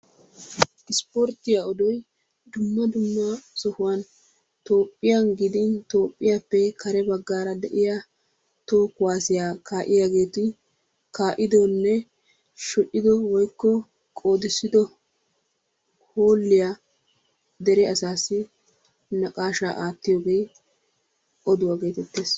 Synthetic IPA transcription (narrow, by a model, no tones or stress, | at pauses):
ʔɪspɔɾt̪ːɪjaɔd̪ɔj | d̪ʊmːɐd̪ʊmːɐsɔhʊwɐn | t̪oːpʼːɪjanɡɪd̪ɪnt̪o̞ːpʼːɪjaːpːɛkʰɐɾɛbɐɡːaːɾɐd̪ɛʔɪja | t̪o̞ːkːʊwaːsɪjaːkʰaːʔɪjaːɡe̞ːt̪ɪ | kaːʔɪd̪onːɛ | ʃɔʔɪd̪ɔwɔjkːɔ | kʼo̞ːd̪ɪsːɪd̪ɔ | ho̞ːlːɪja | d̪ɛɾɛɐsaːsːɪ | nɐkʼaːʃa̰ːʔaːt̪ːɪjoːɡe̞j | ʔɔd̪ʊwaːɡe̞ːt̪ɛt̪ːeːs